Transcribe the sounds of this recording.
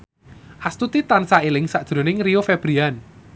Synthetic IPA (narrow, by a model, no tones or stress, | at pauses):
ʔast̪ut̪it̪ansailɪŋsaʔd̥ʒ̥ɾo̤nɪŋrijofɛb̥ɾian